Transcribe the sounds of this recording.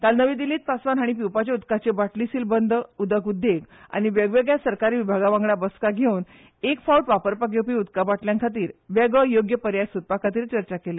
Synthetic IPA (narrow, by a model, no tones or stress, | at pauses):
kalnəʋid̪iliːt̪̚pasʋanɦaɽ̃ip̬iwpat͡ɕaud̪kat͡ɕebaʈlisilbənd̪ʱəud̪əkud̪ʱːeɡa̰ɽ̃iʋəɡʋeɡjasəɾkaɾiːʋibʱaɡaʋãŋɡɭabəskaɡʱewn | ekfauʈʋapəɾpak̬ewpiːud̪kabaʈljãnkʰat̪̬iːɾʋeɡəjoɡjəpəɾjajsut̪̚pakʰat̪̬iːɾt͡ɕəɾt͡ɕakele